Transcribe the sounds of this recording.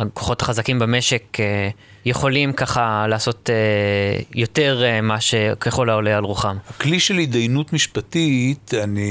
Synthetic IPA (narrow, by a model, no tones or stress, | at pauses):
akʰo̥χo̞taχazakimbameʃe̞ke | je̞χo̞limkaχalaːso̞t̪e | jo̞te̞ʁmaʃekeχolaolejalʁuχamhakliʃelhid̪ajnutmiʃpatit̪ani